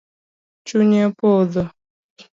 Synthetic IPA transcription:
t͡ʃuɲepoðɔ

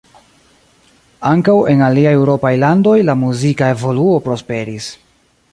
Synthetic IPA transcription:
aŋkawe̞naliaje̞wɾo̞pajlando̞jlamuzikae̞vo̞luo̞pɾo̞spe̞ɾis

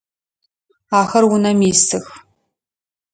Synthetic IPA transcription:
aːxɐrwʊnɐmiːstʰɨx

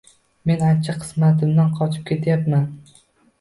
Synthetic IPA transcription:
me̞nant͡ʃʰaqʰɨ̥smat̪ʰɪmd̪anqʰɒt͡ʃʰɪ̥p̚kʲʰe̞t̪ʰajapman

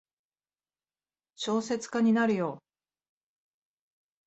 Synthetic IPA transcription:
ɕo̞ːse̞t͡sɨ̥kaɲ̟inaɾɯ̟jo̞ː

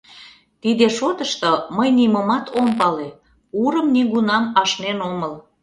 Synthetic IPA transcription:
t̪id̪eʃot̪əʃt̪oməjnimomɑt̪ʰompɑle | uɾəmniɣunɑmɑʃnenoməl

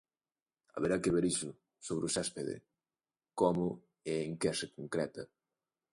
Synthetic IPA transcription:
ɐ̰βeɾakeβeɾisʊ | soβɾɪʊsaspeðḛ | kɔmʊ | eeŋkɛsɪkoŋkɾɛt̪ɐ

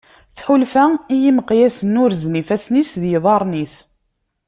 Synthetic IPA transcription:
θħʊlfæijiməqjæsənːʊɾznifæsnisðjiðˤɑɾˤnis

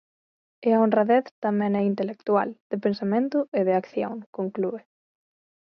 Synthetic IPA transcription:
eaonraðɛθt̪amɛ̃nɛint̪elek̚t̪wa̰ld̪̥ɪpensamẽnt̪ʊɪðɪakθjo̰ŋkoŋklue

